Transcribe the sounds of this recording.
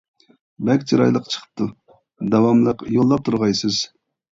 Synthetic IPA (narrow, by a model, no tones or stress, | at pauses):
bɛkʲt͡ʃʰiɾɑ̰jlˠəqt͡ʃʰə̥qʰə̥p̚t̪ʰu | d̪ɑwɑmlˠəqjolˠːɑp̚t̪ʰuɾʁɑjsɨz̥